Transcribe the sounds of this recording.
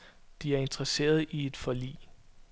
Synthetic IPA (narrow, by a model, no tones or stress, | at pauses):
d̥iæɐe̝nd̥ʁɐse̝̰ːɐð̞ˠie̝d̥fɒ̽lḭː